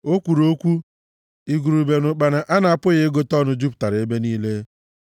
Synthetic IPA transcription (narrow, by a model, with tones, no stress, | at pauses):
o˦kʷu˨ɾo˦kʷu˦ | i˨ɡu˨ɾu˨be˨nʊ˨k͡pa˨na˨ʔa˦na˨a˦˨pʊ˦ɣɪ˦ɡo˦tɔ˦nʊ˦d͡ʒu˦pta˨ɾe˦be˦niː˦le˦